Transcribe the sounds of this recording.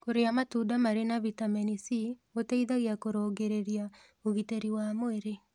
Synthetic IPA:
koɾeamatuːdamaɾenaβitamɛnisioteiðaɣiakoɾɔːɡeɾeɾia | oɣiteɾiwamoeɾe

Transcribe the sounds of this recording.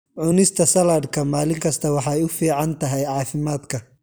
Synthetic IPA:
ʕʊnɪst̪ʰɐsɐlaːdkʰɐmaːlɪŋkʰɐst̪ʰɐwɑħɑjʊfiːʕɑnt̪ʰɐɦɛjʕɑːfɪmaːd̪kʰɐ

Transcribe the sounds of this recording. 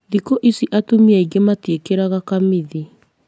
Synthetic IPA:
ðikoʔisiʔatomiaiɣematwekeɾaɣakamiði

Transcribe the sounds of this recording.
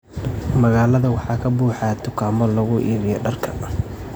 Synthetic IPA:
mɐɣaːlɐðɐwɑħɑːkʰɐbuːħɑt̪ʰʊkʰaːmɔlɐɣʊʔiːɾɪjɔɖɐrkʰɐ

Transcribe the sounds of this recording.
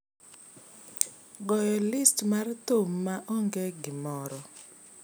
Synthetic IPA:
ɡɔjɔlɪstmartomːaʔɔŋɡɛɡɪmɔɾɔ

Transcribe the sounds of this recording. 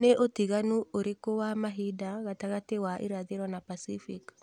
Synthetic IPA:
neʔotiɣanuoɾekowamaɦidaɣataɣatewaʔḛɾaðeɾwanapasifik

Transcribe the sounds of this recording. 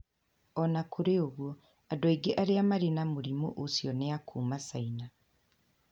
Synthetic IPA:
ɔnakʰoɾeoɣwɔ | adɔiɡeʔaɾeamaɾenamoɾimo̰ʔosjɔneakʰuːmasaina

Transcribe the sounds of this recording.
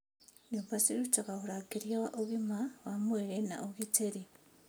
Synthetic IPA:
nipasiɾut͡ʃokahuɾakiɾjaʔoβimawamweɾena̰ʔoɣiteɾi

